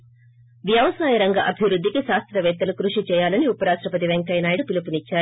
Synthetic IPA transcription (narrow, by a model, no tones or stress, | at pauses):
ʋjɐʋɐsaːjɐɾɐŋɡɐʔɐbʱiʋɾud̪ʱːikiʃaːst̪ɾɐʋɛːt̪ːɐlukɾuʂit͡ʃɛːjaːlɐniupɐɾaːʂʈɾɐpɐt̪̬iʋeŋkɐjnaːjiɽupilupunit͡ʃːaːɾu